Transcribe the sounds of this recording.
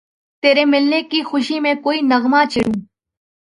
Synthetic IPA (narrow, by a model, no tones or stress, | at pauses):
t̪eːɾeːmɪlneːkiːxʊʃiːmẽːkoːiːnəɣmaːt͡ʃʰɪɽũː